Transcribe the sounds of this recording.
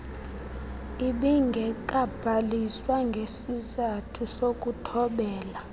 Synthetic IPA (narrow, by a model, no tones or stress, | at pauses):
iɓiŋɡʱɛk̬ʼab̥ʱaliswaŋɡʱesizatʰusok̬ʼutʰɔɓɛːla